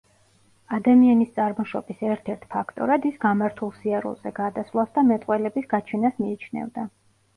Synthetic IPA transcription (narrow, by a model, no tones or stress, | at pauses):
ad̪amianist̪sʼaɾmɔʃɔ̰bisɛɾt̪ʰɛɾt̪ʰpʰakʰt̪ʼɔ̰ɾad̪isɡamaɾt̪ʰulˠsiaɾṵlˠzɛ̰ɡ̥ad̪asvlˠasd̪amɛt̪ʼqʼwɛlɛbisɡat͡ʃʰɛnasmiːt͡ʃʰnɛ̰vd̪a